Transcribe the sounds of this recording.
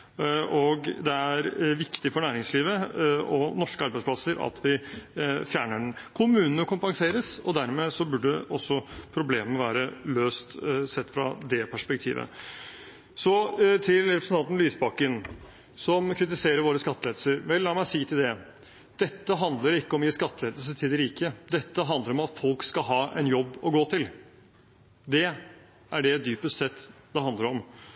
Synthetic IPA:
ʔɔɡd̪ɛæɾʋɪkt̪ɪfɔɳæːɾɪŋsliːʋəɔnɔʂkəɑɾbæɪspʰlɑsəɾɑ̰t̪ʰʋɪ | fjæːɳəɖnkʰʊmʉːnənəkʰʊmpɑŋseːɾəsɔd̪æɾmeːsɔbʉɖəəʔɔsːɔpʰɾʊbleːməəʋæːɾəløːst̪sɛt̪ːfɾɑd̪ɛpʰæʂpɛk̚t̪ʰḭːʋə̰ | sɔt̪ʰɪlɾɛpɾsn̩t̪ɑnt̪n̩lyːsbɑkən | sɔmkʰɾɪt̪̬ɪseːɾəɾʋoːɾəskɑt̪ːəleːd̪əsəɾʋɛlːɑːmæɪsiːt̪ʰɪld̪ɛ | d̪̥ɛt̪ːəɦɑnd̪ləɾɪkːəɔmjɪskɑt̪ːəleːd̪əlsət̪ʰɪd̪ɪɾiːkəd̪ɛt̪ːəɦɑnd̪əɾɔmɑt̪fɔlkskɑɦɑːʔɛ̰njɔbːɔɡoːt̪ʰɪl | d̪ɛ | æɖɛd̪yːpəst̪sɛt̪ːd̪̥ɛhɑnd̪əɾɔm

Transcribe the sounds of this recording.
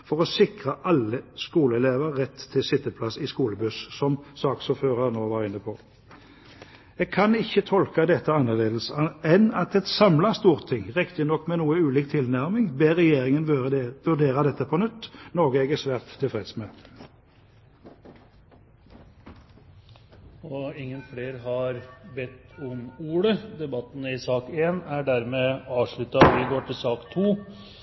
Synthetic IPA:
fɔʁɔsɪkʁəʔɑlːəskuːləɛleːʋəʁʁɛt̪ʰːɪlsɪt̪ːəpʰlɑsɪskuːləbʉssɔmsɑːksuføːʁɑʁnoːʋɑːʁɪnːəpʰɔ | ɛːɡ̚kʰɑnɪçət̪ʰɔlkɑd̪ɛt̪ːəɑnəleːd̪l̩sɛnɑt̪ɛt̪sɑmlɑst̪uːʁt̪ʰːɪŋʁɛkt̪ɪnɔkːmɛnuːəʉːliːkt̪ʰɪlnæʁmɪŋbeːʁɛjeːʁɪŋənʋʉɖeːɾɑd̪ɛt̪ːəpʰɔnʉt̪ːnɔːɡəɛɡəsʋæːʁt̪ʰːɪlfʁɛd̪smɛ | ɔɪŋːənfleːɾɦɑɾbɛt̪ːɔmuːɽəd̪ɛbɑt̪ːənəɪsɑːkeːnæɖæɾmɛɑːʋʂɭʉt̪ɑʋɪɡoːʈʰɪlsɑːkt̪ʰuː

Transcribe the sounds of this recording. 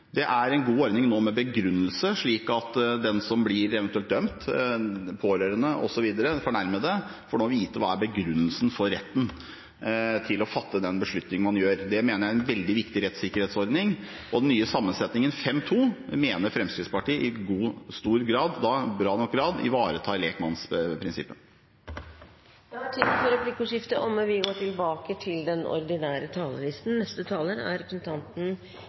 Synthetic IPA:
d̪ɛʔæɾɛnɡuːɔɾd̪nɪŋnoːmɛbəɡɾʉnːəlsəʂɭiːkɑt̪d̪ɛnsɔmblɪɾɛʋɛnt̪ʉɛlt̪̚d̪œmt̪ | pʰoːɾøːɾənəʔɔ̰sɔʋiːd̪əɾəfɔɳæɾməd̪ɛfɔɖɛmːɔʋiːt̪əʋɑːæɾbəɡɾʉnːəlsn̩fɔɾɾɛt̪ːn̩ | t̪ʰɪlɔfɑt̪ːəd̪ɛnbəʂɭʉt̪nɪŋən̩mɑnjøːɾd̪ɛmeːnəɾjæɪɛnʋɛld̪ɪʋɪkt̪ɪɾɛt̪sɪkːəɾheːt̪sɔɾd̪nɪŋ | ɔd̪ɛnːyːəsɑmːənsɛt̪nɪŋənfɛmt̪ʰuːmeːnəɾfɾɛmskɾɪt̪spɑʈiːəʔɪɡuːst̪uːɾɡɾɑːd̪ːɑbɾɑːnɔk̚ɡɾɑːd̪ɪ̰ʋɑːɾət̪ʰɑːleːkmɑnspʰɾɪnsɪ̰pːə | jɑːt̪ʰiːd̪fɔɾɛpʰlɪkʊʂɪft̪əʔɔmʋɪɡoːʈɪlbɑːkət̪ʰɪld̪ɛnɔ̰ɾd̪ɪnæːɾət̪ʰɑːləlɪst̪n̩nɛst̪ət̪ʰɑːləɾæ̰ɾɛpɾəsənt̪ʰɑnt̪n̩

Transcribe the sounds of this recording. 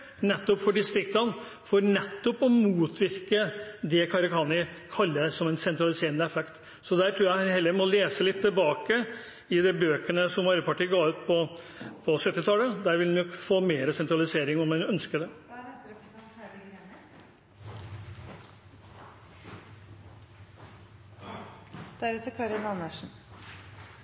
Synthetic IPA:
nɛt̪ːɔpfɔɖɪst̪ɾɪkt̪ɑn | fɔɾnɛt̪ːɔpɔmuːt̪ʰʋɪɾkəd̪ɛkʰɑɾɑkʰɑːnɪkʰɑlːəsɔmɛnsɛnt̪ɾɑlɪseːɾənəɛfɛkt̪ | sɔd̪æːɾʈʰɾuːɾæhɑnhɛlːəɾmɔleːsəlɪt̪ʰːɪlbɑːkə | ɪd̪ɛbøːkənəsɔmʋɑɾbəpʰɑʈʰiːəɡɑːʉːt̪̚pʰɔpʰɔsœt̪ːɪt̪ʰɑːləd̪æːɾʋɪlhʉnjɔkfoːmeːɾəsɛnt̪ɾɑlɪseːɾɪŋɔmɛnœnskəd̪ɛ | d̪̥æɾʉt̪əkʰɑɾənɑnəʂn̩

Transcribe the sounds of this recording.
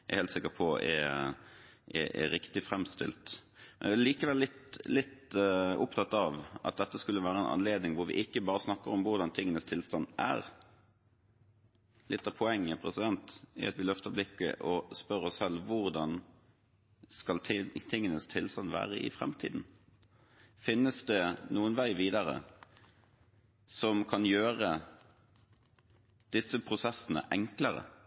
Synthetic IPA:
æ̰heːlt̪sɪkːəpʰɔʔɛ̰ | ʔɛ̰ɛ̰ɾɪkt̪ɪfɾɛmst̪ɪ̰lt̪ | mɛnææliːkəʋɛlːɪt̪lɪt̪ʊpt̪ʰɑt̪ːɑʋʔɑ̰t̪̚d̪ɛt̪ːəskʉlːəʋæːɾəɛnʔɑ̰nleːd̪nɪŋʋʊɾʋɪ̰ʔɪkːəbɑːɾəsnɑkːəɾɔmʋʊɾd̪ɑnt̪ʰɪŋːənəst̪ʰɪlst̪ɑnæ̰ɾ | lɪt̪ːɑpʰɔɛŋːəpʰɾɛsɪd̪ɛnt̪ɪ̰ɑt̪ʋɪlœft̪əblɪkːə̰ʔɔspœɾɔssɛlːʋʊʁd̪ɑn | skɑlʰt̪ʰɪŋːənəst̪ʰɪlst̪ɑnʋæ̰ːʁəɪ̰fɾɛ̰mt̪ʰḭːd̪n̩ | fɪnːəsd̪ɛnuːənʋæɪʋiːd̪əɾə̰ | sɔmkʰɑnjøːɾə | d̪̥ɪsːəpʰɾʊsɛsːənə̰ʔɛŋkləɾə̰

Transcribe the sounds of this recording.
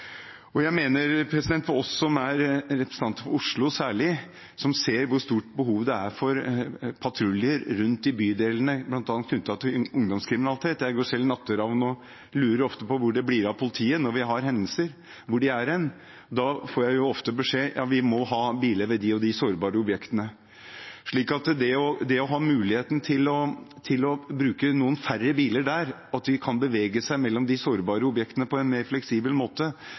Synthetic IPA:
ɔjæɪmeːnəɾpʰɾɛsɪd̪ɛnt̪ɔɔsːɔmæɾɾɛpɾəsn̩ɑnt̪əfɔɾʊʂɭʊsæːɭɪ | sɔmseːɾʋʊɾʂt̪uːʈbəɦuːʋd̪ɛæɾfɔɾpʰɑt̪ʰɾʉljəɾːʉnt̪d̪ɪbyːd̪eːlənəblɑnt̪ɑːnət̪ʉt̪ʰɑt̪ʰɪʊŋd̪ɔmskʰɾɪmɪnɑlɪt̪ʰeːt̪jæɪɡoːʂɛlːnɑt̪ʰːəɾɑːʋnɔ | lʉːɾəɾɔft̪əpɔʋʊɖɛblɪɾɑpʰʊlɪt̪ʰiːənɔʋɪɦɑɾɦɛnd̪əl̩səɾ | ʋʊɖɪæɾɛn | d̪ɑfoːɾjæɪjʊɔft̪əbəʂeːjʔɑ̰ːʋɪmɔɦɑːbiːləʋɛd̪ɪɔd̪ɪsoːɾbɑːɾəʊbjɛkt̪ənə | ʂɭiːkɑt̪d̪ɛɔd̪ɛɔɦɑːmʉːlɪheːt̪n̩t̪ʰɪlɔt̪ʰɪlɔbɾʉːkənuːənfærːəbiːləɖæɾɑt̪d̪ɪkʰɑnbəʋeːɡəsæɪmɛlːɔmd̪ɪsoːɾbɑːɾəʊbjɛkt̪ənəpʰɔɛnmeːɾflɛksiːbəlmoːt̪ə

